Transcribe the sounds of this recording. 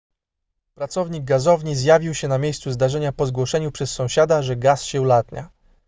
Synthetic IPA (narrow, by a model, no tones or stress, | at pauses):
pɾat̪sɔvɲiɡ̚ɡazɔvɲizjavʲiwɕɛnamʲjejst̪suzd̪aʐɛɲapɔzɡwɔʂɛɲupʂɛsːɔ̃w̃ɕad̪aʐɛɡasɕɛulat̪ɲa̰